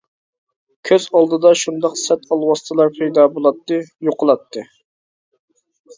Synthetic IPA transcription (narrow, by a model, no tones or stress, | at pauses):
kʲʰøz̥ɑlˠd̪ɨd̪ɑʃund̪ɑqsɛt̪ɑlˠwɑsɨ̥t̪ʰɨlˠɑɾpʰejd̪ɑbolˠɑt̪ːɨjoqʰəlˠɑt̪ʰːɨ